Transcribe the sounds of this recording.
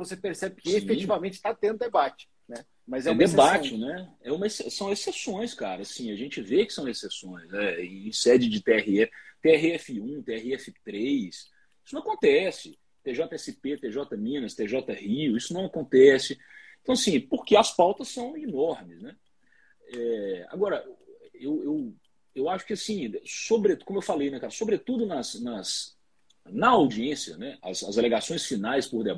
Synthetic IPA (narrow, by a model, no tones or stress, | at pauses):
vosepeɾsɛbɪkɪefet͡ʃivamẽnt͡ʃɪ̥t̪at̪ẽʊd̪ebat͡ʃɪ̥ | nɛ | mɐzɛudmd̪ebat͡ʃɪnɛɛũmɐesesɐ̃w̃esesõj̃skaɾɐːsĩɐʒẽnt͡ʃɪvekɪ̥sɐ̃w̃esesõj̃zɛiĩsɛd͡ʒɪd͡ʒɪt̪eɛhiɛft̪eɛɦiɛfɪũt̪eɛhiɛfɪt̪ɾejs | isñɐ̃kõt̪ɛsɪ | t̪eʒɔt̪ɐɛsɪpet̪eʒɔt̪ɐmĩnɐst̪eʒɔt̪ɐhiʊisʊnɐ̃w̃akõnt̪ɛsɪẽt̪ɐ̃w̃ɐsĩpoɾkeɐspawt̪ɐsːɐ̃w̃inɔɾmɪsnɛ | ɛa̰ɡɔɾɐʔɛewew | ewaʃʊ̥kɪasĩsobɾekõmʊewfalejnɛkaɾɐsobɾet̪ud̪ʊnɐsnɐs | nɐawd͡ʒiẽsiɐnɛɐ̰zɐzaleɡasõj̃sfinajspoɾd̪eb